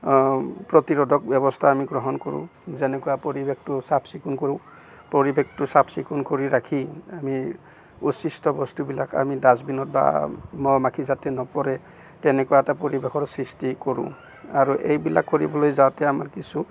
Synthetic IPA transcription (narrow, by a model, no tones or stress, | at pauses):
pɹɔtiɹɔdʱɔk̚bjɔbɔstʰaːmiɡɹɔɦɔnkɔɹṵ̃zɛnɛkujapoɹibek̚tʊsapsikunkoɹʊ̃ | poɹibʱek̚tʊsapʰsikunkoɹiɹakʰiami | usistɔbɔstubila̰ka̰midazbinɔt̚ba̰mɔmakʰizatɛnɔpɔɾɛ | tɛnɛkujaɛtapɔɹibekʰɔtsɹistikoɹṵ̃ | aɹuʔḛjbila̰kːoɹibɔlojzawtɛamaɹkisu